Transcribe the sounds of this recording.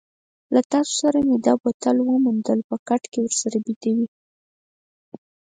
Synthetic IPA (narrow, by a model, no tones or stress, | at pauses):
lat̪ɑso̥saɾamed̪ɑbat̪alwəmund̪əlpəkaʈkewəɾsaɾabid̪awi